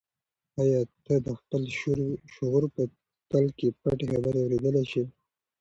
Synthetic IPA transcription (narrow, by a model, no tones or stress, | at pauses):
ajɑt̪əd̪əxpəlʃʊɣuɾpə | t̪alkepaʈexabəɾawɾed̪əleʃe